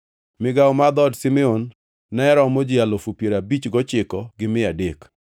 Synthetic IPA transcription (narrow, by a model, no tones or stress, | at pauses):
mɪɡawmad̪ɔdsɪmɛonː | ɛɾɔmod͡ʒɪalofupjeɾabit͡ʃɡɔt͡ʃɪkɔɡɪmɪadek